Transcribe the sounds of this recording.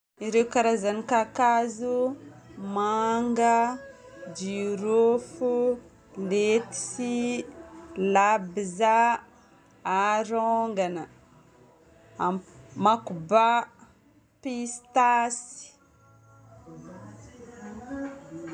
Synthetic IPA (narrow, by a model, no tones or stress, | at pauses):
iɾewkaɾazanikakazu | maŋɡa | d͡ʒiɾofu | let̪i̥si | labiza | ɾoŋɡanə | amakuba | pist̪asi̥